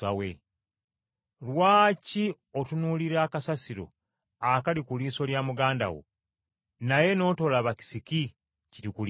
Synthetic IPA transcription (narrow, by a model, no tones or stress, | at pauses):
awḛ | lwaːci | otunuːliɾaːkasasiɾo̞̰ | akalikuliːso̞ljamuɡaːnda̰wo̰ | naje̞no̞ːto̞laβaki̥siki | ciɾikul